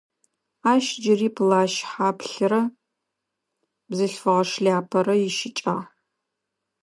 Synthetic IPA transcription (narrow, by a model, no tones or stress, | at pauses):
aːʃd͡ʒɪriːpʰlaːʃħapʰɬɨɾɐ | bzɨɬfɐʁɐʂɮʲaːpʰɐɾɐjɪʃɪt͡ʃʼa